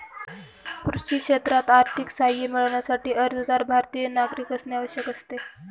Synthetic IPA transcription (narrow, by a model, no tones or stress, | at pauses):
kɾuɕiːkʂet̪ɾat̪aɾt̪ʰiksajiːmiɭɳjasaʈiːʔəɾd̪əd̪aɾbʱaɾt̪ijənaɡɾikəsnjaʋəɕjəkəst̪e